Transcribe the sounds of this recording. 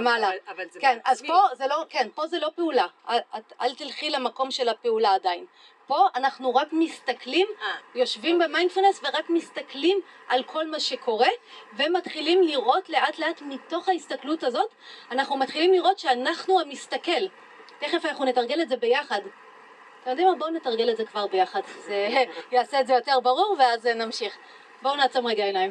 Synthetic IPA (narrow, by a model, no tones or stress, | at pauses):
malakenazpozelo̞ke̞npo̞zelo̞peulaʔaaa̰ltilχilamako̞mʃe̞lapeulaːdain | po̞ʔanaχnuʁakmistaklimjo̞ʃvimbemajndfulnesve̞ʁakmist̪aklimalkʰo̞lmaʃe̞kʰo̞ʁe̞ve̞matχilimliʁo̞tle̞ʔatleatmito̞χaistaklutazo̞t | anaχnumat̪χilimliʁo̞tʃeanaχnuamistake̞l | te̞χefanaχune̞taʁɡe̞letze̞be̞jaχad | temjo̞dimabone̞taʁɡe̞lezekvaʁbe̞jaχadzejaːse̞etzejo̞te̞ʁbaʁuʁveaznamʃiχ | bownaːt͡somʁeɡaenajm